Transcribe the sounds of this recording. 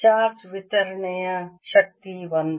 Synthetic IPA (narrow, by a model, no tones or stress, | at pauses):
t͡ʃaːɾt͡ʃʋɪt̪əɾnəjãʃək̚t̪ibənd̪